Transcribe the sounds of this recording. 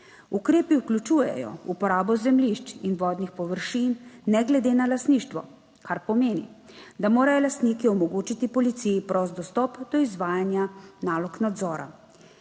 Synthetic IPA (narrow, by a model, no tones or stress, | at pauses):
ukɾeːpiuklʲut͡ʃujɛ̰jɔ̰upɔɾaːbɔzɛmliʃt͡ʃinʋɔːd̪nixpɔʋəɾʃiːnːɛɡlɛd̪eːnalast̪niːʃt̪ʋɔ | kʰaɾpɔmeːnḭ | d̪amoːɾajɔlast̪niːkiɔmɔɡoːt͡ʃit̪ipɔlit̪sijipɾɔst̪d̪ɔst̪ɔpd̪ɔizʋaːjanjanaːlɔknad̪zɔːɾa̰